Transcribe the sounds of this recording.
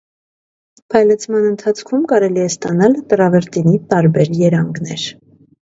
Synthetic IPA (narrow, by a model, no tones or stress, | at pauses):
pʰɑjlɛt͡sʰmɑnənt̪ʰɑt͡sʰkʰumkɑɾɛliɛst̪ɑnɑlt̪əɾɑvɛɾt̪init̪ɑɾbɛɾjɛɾɑŋɡnɛɾ